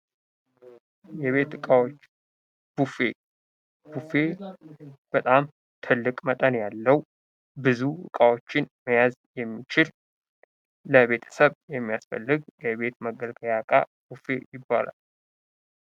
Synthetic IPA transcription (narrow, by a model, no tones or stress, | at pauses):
jɛβe̞t̪ɨkʼawot͡ʃː | b̥ufe | b̥ufe̞ | b̥ət̪ʼam | t̪ʰɨlːɨkʼmət̪ʼənjalːəw | bɨzuɨ̰kʼawot͡ʃːɪnməjazjɛmːit͡ʃɪl | əβe̞t̪ʰə̥səβjɛmːijasfə̰lːɨɡjɛβe̞t̪məɡəlkʼəjakʼa̰ | b̥ufe̞jɪbːa̰la̰l